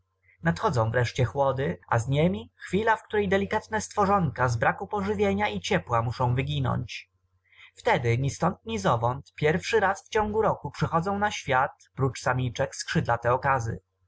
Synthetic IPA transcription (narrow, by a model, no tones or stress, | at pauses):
nat̪xɔd̪zɔ̃w̃vɾɛʂt͡ɕɛxwɔd̪ɘa̰zɲemʲixfʲilafkt̪uɾɛjd̪ɛlʲikat̪nɛst̪fɔʐɔŋkazbɾakupɔʐɘvʲjeɲait͡ɕɛpwamuʂɔ̃w̃vɘɡʲinɔ̰ɲt͡ɕ | ft̪ɛd̪ɘɲist̪ɔnt̪̚ɲizɔvɔnt̪pʲjɛɾfʂɘɾasft͡ɕɔ̃ŋɡuɾɔkupʂɛxɔd̪zɔ̃w̃naɕfʲjat̪pɾut͡ʂsamʲit͡ʂɛkskʂɘd̪lat̪ɛɔkazɘ̰